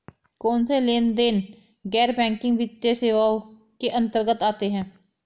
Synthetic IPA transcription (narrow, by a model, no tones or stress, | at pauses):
kɔːnseleːnd̪en | ɡɛːɾbɛ̃ːŋkɪ̃ŋɡʋɪt̪jeseːʋao | keʔə̃nt̪əɾɡət̪aːt̪eɦɛ̃ː